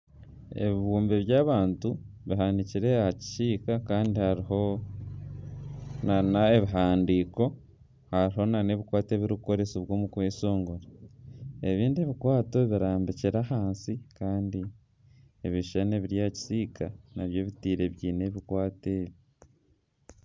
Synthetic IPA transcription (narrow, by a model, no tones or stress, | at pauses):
e̞̰βiβuːmbe̞βjaːβaːntu | βiɦaniciɾe̞aci̥siːkakaːndihaɾiɦo̞ | nanaeβiɦaːndiːko̞ | haɾiɦo̞nane̞βikwaːte̞βiɾuuko̞ɾe̞soβwo̞ːmukweːso̞ːŋɡoɾa | eβiːndieβikwaːto̞βiɾaːmbiciɾahaːnsikaːndi | eβiʃeneβiɾjaci̥siːkanaβje̞ːβitiːɾe̞βjiːne̞βikwaːteβi